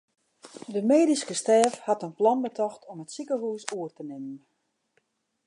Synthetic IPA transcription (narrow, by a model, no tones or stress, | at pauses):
dəmeːdiskəstɛːfhatənplɑnbətʰɔxtʰɔmətsikəɦuːsuərtənɪmən